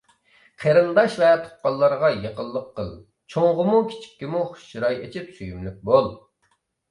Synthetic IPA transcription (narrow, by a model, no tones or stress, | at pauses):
qʰeɾɨnd̪ɑʃvɛt̪ʰʊ̥q̚qɑlˠːɑɾʁɑjeqəlˠːəqːəlˠ | t͡ʃʰoŋʁəmukʲʰi̥t͡ʃʰi̥k̚ʲːimuχʊ̥ʃt͡ʃiɾɑjet͡ʃʰɪpsyjymlyk̚ʲbolˠ